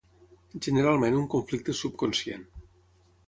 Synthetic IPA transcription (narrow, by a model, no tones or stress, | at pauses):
ʒəneɾalˠmẽnuŋkoɱflik̚t̪əsup̚konsjḛn